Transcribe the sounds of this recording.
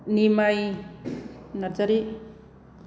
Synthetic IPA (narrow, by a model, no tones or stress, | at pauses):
nimaj | naɾd͡ʒaɾi